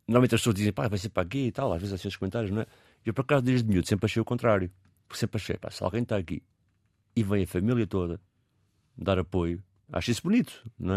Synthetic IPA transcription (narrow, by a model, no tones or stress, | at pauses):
nɔɾmẽt̪ɐʃpsoɐʒd̪izẽj̃pavajs̬ẽpɾakeit̪alˠa̰ʒvezasĩesʃkumẽnt̪aɾjuʒnɐ̃ɛ | ewpɾɐkazuðeʒðmjuðusẽmpɾɐʃejukõnt̪ɾaɾju | puɾksẽmpɾɐʃḛjpa̰sa̰lˠɣɐ̃j̃t̪aɐkḭ | ivɐ̃j̃ɐfɐmilˠjɐt̪oðɐ | d̪aɾɐpoju | a̰ʃisbunit̪u̥ñɛ